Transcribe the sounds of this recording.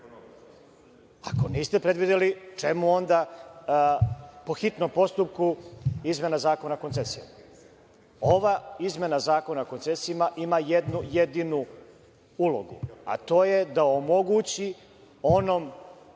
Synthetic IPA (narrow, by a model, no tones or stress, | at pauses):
a̰ko̞niːst̪epɾe̞d̪ʋid̪elit͡ʃe̞muo̞nd̪a | po̞xit̪no̞mpo̞st̪up̚kuizme̞nazaːko̞nakot̪sesijma | o̞ʋaizme̞nazaːko̞nako̞nt̪sesiimaʔimajed̪nujed̪inu | ulo̞̰ɡṵa̰t̪o̞ːje̞d̪aomo̞ɡut͡ɕi | o̞no̞m